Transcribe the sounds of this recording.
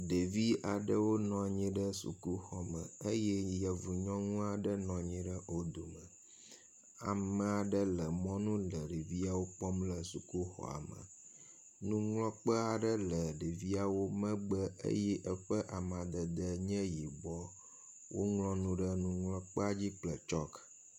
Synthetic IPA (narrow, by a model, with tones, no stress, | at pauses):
ɖə˨vi˦a˨ɖə˦wo˦nɔ̃˨ɲĩ˦ɖə˦sṵ˨ku˦xɔ˦mə˨ə˦jɛ˦jə˨vu˨ɲɔ̃˦ŋũ˦a˨ɖə˦nɔ̃˨ɲĩ˦ɖə˦o˦d̪o˨mə˨ | a̰˨mə̃˦a˨ɖə˦lə˨mɔ̃˦nũ˦lə˨ɖe˨vi˦a˦wo˦k͡pɔ˦mlə˨su˨ku˦xɔ̰˨a̰˨mə̰˨ | nũ˦ŋlɔ̃˦k͡pə˦a˨ɖə˦lə˨ɖi˨vi˦a˨wo˦mə̃˦ɡ͡bə˦ḛ˦jɛ˦ʔə˦ɸə˦ʔa˨mã˨d̪ə˨d̪ə˦ɲɛ̃˦ji˨ɡ͡bɔ˦ | wʔo̰˦ŋlɔ̃˦nũ˦ɖə˦nũ˦ŋlɔ̃˦k͡pə˦a˦d͡ʑi˦k͡plə˨t͡ʃɔ˦k